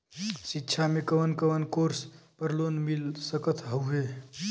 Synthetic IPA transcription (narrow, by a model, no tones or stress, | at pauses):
sitːt͡ʃʰamekəʋənkəʋənkoɾspəɾlonmilsəkət̪ʰɦəwɦe